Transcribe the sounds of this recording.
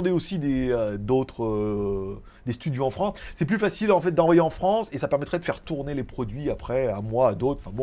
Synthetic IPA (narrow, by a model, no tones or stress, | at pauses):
d̪eosid̪eød̪ot̪χø | d̪est̪yd̪joɑ̃fχɑ̃sːɛp̬lyfasilɑ̃fɛt̪̚d̪ɑ̃vwajeɑ̃fχɑ̃sesapɛʁmɛt̪χɛd̪əfɛʁt̪uʁnelepχɔd̪ɥiapχɛɛ̰̃mwaːd̪ot̪χɑ̃fɛ̃bɔ̃